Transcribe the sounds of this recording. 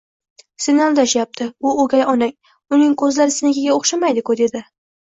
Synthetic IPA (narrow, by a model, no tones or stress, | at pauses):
senalˠd̪aʃjap̚t̪ʰɪʊoɡʲajɒnaŋ | ʊnɪŋkʰɵzlaɾɪsɪnɪɡʲɪɡʲaoχʃamajd̪ɪkʰod̪e̞d̪ɪ